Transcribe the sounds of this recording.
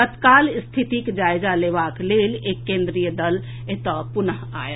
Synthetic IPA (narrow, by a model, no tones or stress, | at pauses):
t̪ət̪kalst̪ʰit̪ikd͡ʒajd͡ʒalebaklelekːẽnd̪ɾijəd̪əl | et̪əpunəɦa̰j